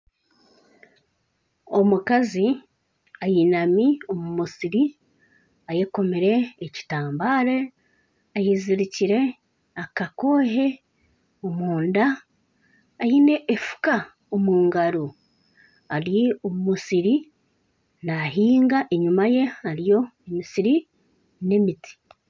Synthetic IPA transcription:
o̞mukazi | ajinamio̞mumusiɾi | ajeko̞meɾe̞ːci̥taːmbaːɾe | ajiziɾiciɾe̞ | akako̞ːɦe̞ | omuːndaː | jine̞ʔːfu̥ka | omuːŋɡaɾo | aɾjiomumusiɾi | naɦiːŋɡaʔe̞ɲumaje̞aɾijo̞emisiɾi | ne̞miti̥

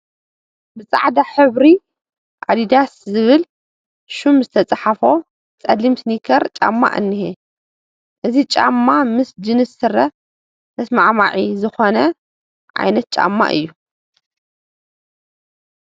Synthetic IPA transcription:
bɨt͡sʼaʕd̪aħɨβɾi | ʔa̰d̪id̪aszɨβɨl | ʃumzɨt̪ʰɐt͡sʼaħafo̞ | t͡sʼɐlːimsnikʰɐɾt͡ʃʼa̰mːa̰ʔɨ̰nːihe | ʔɨzit͡ʃʼa̰mːamɨsd͡ʒɨnɨsɨɾɐ | ɨsmaʕmaʕizɨxonɐ | ʕa̰jnɐt̪̚t͡ʃʼa̰mːa̰ʔɨ̰jːu

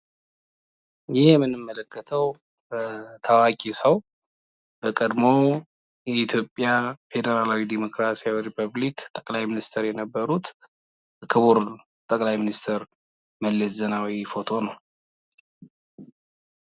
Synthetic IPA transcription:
jɪhjɛmːɨnɨmːələkːət̪ʰəw | bət̪ʰawakʼisəw | b̥əkʼəd̪mo̞ | jɛit̪ʰjo̞pʼːjafe̞d̪əɾalawid̪imo̞kɾasijawiɾipʰəβlikt̪ʼə̥kʼlajminist̪ʰəɾjɛnəbːəɾut̪ | kʰɨβuɾ | t̪ʼəkʼlajminist̪ʰəɾ | məlːɛszənawifo̞t̪ʰo̞nəw

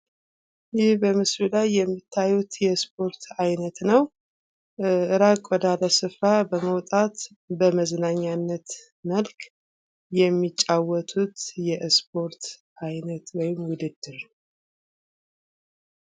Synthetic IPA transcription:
jɪhbəmɨsɾilajːɛmːit̪ʰːajut̪jɛspʰo̞ɾt̪ʰajnət̪nəw | ʔɨɾakʼwɔd̪aləsɨfɾabəməwt̪ʼat̪ | bəməznaɲːanːət̪ | məlkʰ | jɛmːit͡ʃʼːawːɔt̪ʰut̪jɛspʰo̞ɾt̪ | ajnət̪wɔjɪmwʊd̪ɨd̪ːɨɾ

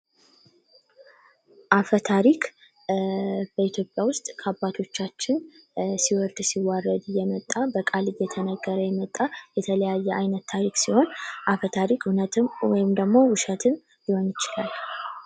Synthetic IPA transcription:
ʔafət̪ʰaɾik | b̥əit̪ʰjo̞pʼjawʊst̪ʼkʰəabːat̪ʰo̞t͡ʃːat͡ʃːɪn | siwɔɾd̪siwarːəd̪ɨjɛmət̪ʼːabəkʼalɨjːɛt̪ʰənəɡːəɾəjɛmət̪ʼːajɛt̪ʰələjajːɛʔajnət̪ʰːaɾiksiho̞nʔafət̪ʰaɾikwɔjɪmd̪əɡmo̞wʊʃɛt̪ʰɨn | jiho̞njɪt͡ʃɪlal

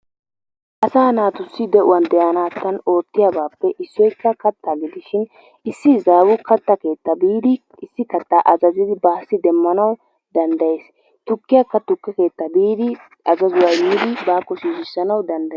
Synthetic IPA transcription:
ʔɐsaːnaːt̪ʊsːɪd̪ɛʔʊwɐnd̪ɛjɐnaːt̪ːɐno̞ːt̪ːɪjabaːpːɛʔɪsːɔjkːɐkɐt̪ʰːaɡɪd̪ɪʃɪn | ɪsːɪzaːwʊkʰɐt̪ːɐke̞ːt̪ːɐbiːd̪ɪ | ɪsːɪkɐt̪ːaʔɐzɐzɪd̪ɪbaːsːɪd̪ɛmːɐnɐw | d̪ɐnd̪ɐjeːs | t̪ʊkːɪjɐkːɐt̪ʊkːɛke̞ːt̪ːɐbiːd̪ɪ | ʔɐzɐzʊwɐjbiːd̪ɪbaːkːɔʃiːʃɪsːɐnɐwd̪ɐnd̪ɐ

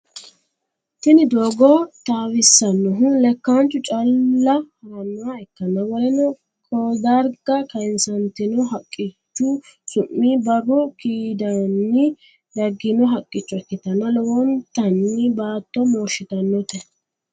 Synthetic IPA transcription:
tɪnɪd̪oːɡɔt̪aːwɪsːɐnːɔɦʊnlɛkːant͡ʃːʊt͡ʃʼɐlːɐhɐɾɐnːaaɛkːɐnɐwɔlɛnɔ | kʰʼɔd̪ɐɾɡɐkɐjnsɐnt̪ɪnɔɦɐkʼːɪt͡ʃːʊsʊmːibɐrɔkiːd̪ɐnːɪ | d̪ɐɡːɪnɔɦɐkʼːɪt͡ʃːʊɛkːɪt̪ɐnɐlɔwɔnt̪ːɐnːɪbaːt̪ːɔmoːʃɪt̪ɐnːɔt̪ɛ

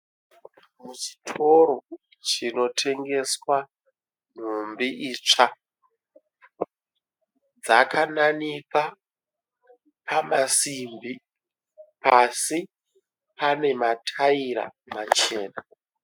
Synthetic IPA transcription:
mut͡ʃi̥tʰo̞ɾo̞ | t͡ʃino̞tʰe̞ŋɡe̞swa | n̤umbiʔiːt͡ʂa | d͡zakʰananika | pʰamasimbi | pasi | pane̞matʰaiɾa̰mat͡ʃe̞ːna

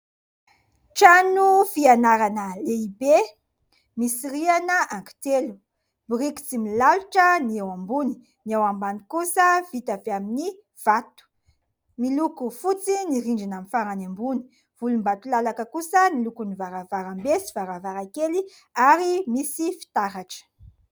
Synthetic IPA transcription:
ʈ͡ʂanufianaɾanəleibe | misiɾianəaŋki̥t̪elu̥ | bɾiki̥t͡similaluʈ͡ʂəniewambuni̥ | niewambanikusəvit̪aveamini | v̥at̪u̥ | milukufut͡siniɾiɳɖ͡ʐinamifaɾanambuni̥ | v̥ulumbat̪ulalakəkusənilukunivaɾavaɾambesivaɾavaɾakeli | aɾimisifi̥t̪aɦaʈ͡ʂə̥

